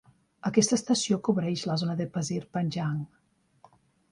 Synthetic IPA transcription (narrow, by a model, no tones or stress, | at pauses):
əkɛst̪əst̪əsiokoβɾɛʃləzonəðepəziɾpanʲʒaŋ